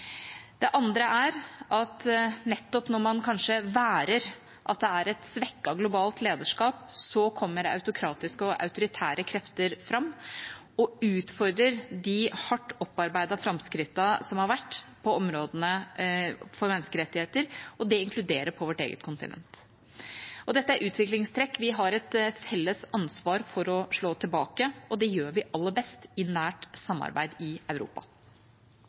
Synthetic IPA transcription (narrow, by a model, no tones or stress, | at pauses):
d̪̥ɛʔɑnd̪ɾəʔæɾʔɑt̪nɛt̪ːɔpnɔɾmɑnkʰɑnʂəʋæːɾəɾ | ʔɑt̪̚d̪ɛæɾɛt̪sʋɛkːɑɡlʊbɑːlt̪leːd̪əʂkɑːpsɔkʰɔmːəɾɑ̰ʉt̪ʊkʰɾɑːt̪ɪskəɔʔɑ̰ʉt̪ʊɾɪt̪ʰæːɾəkʰɾɛft̪əɾfɾɑmː | ɔʉːt̪fɔɾd̪ɾəɾd̪ɪhɑʈːɔpːɑɾbæɪd̪ɑfɾɑmskɾɪt̪ːɑsɔmhɑɾʋæʈːpʰɔɔmɾoːd̪ənə | fɔɾmɛnːskəɾɛt̪ːɪheːt̪əɾɔd̪ɛɪŋkʰlʉd̪eːɾəpʰɔʋɔʈḛːɡə̰t̪kʰʊnt̪ɪ̰nɛ̰nt̪ | ʔɔd̪ɛt̪ːəæɾʔʉːt̪ʋɪklɪŋst̪ʰɾɛkːʋɪɦɑɾɛt̪fɛlːəsɑnsʋɑːɾfɔɾɔʂɭoːt̪ʰɪlbɑːkəɔd̪ɛjøːɾʋɪʔɑlːəbɛst̪ɪnæːʈsɑmːɑ̰ɾbæ̰ɪd̪ɪɑʉɾṵːpɑ̰